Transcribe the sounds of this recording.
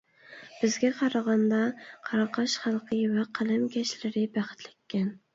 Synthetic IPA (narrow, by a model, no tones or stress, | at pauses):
b̥ɪzɡʲɛqʰɑɾɑʁɑnd̪ɑqʰɑɾɑqʰɑʃχɑlˠqʰəjvæqʰəlˠɪmɡʲɛʃlɪɾɪbæχɪ̥t̪lɪkʲːɛn